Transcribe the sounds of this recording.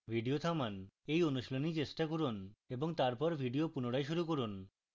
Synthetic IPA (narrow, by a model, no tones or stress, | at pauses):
bʱiɖiot̪ʰamanejonuʃlonit͡ɕeʃʈakoɾuneboŋt̪aɾpɔɾbʱiɖiopunoɽajʃ̬uɾukoɾun